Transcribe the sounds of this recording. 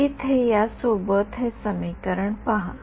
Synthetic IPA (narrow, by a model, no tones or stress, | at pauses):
it̪ʰɦejasobət̪ɦẽsəmikəɾəɳpaɦã